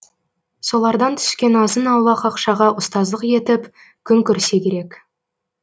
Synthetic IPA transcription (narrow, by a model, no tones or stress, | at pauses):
so̞lˠɑɾd̪ɑnt̪ʰʏ̥skʲe̞nɑzənɑwlˠɑqɑqʃɑʁɑʔʊst̪ɑzlˠəqje̞t̪ɪp | kʲʰʏŋkʲʏɾse̞kʲʰe̞ɾe̞k